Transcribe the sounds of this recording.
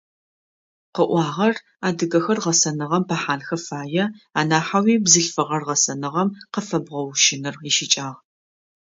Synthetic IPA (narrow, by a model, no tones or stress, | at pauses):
qəʔʷɑːʁɐr | aːdɨɣɐxɐrʁɐsɐnɨʁɐmpʰaħaːnxɐfaːjɛaːnaːħawiːbzɨɬfɨʁɐrʁɐsɐnɨʁɐmqəfɐbʁɐwʃɪnɨriʃɪt͡ʃʼaːʁ